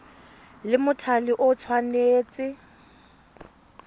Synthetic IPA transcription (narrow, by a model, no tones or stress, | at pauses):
lɪmʊtʰalɪʔʊt͡sʰwaneːt͡sʼɪ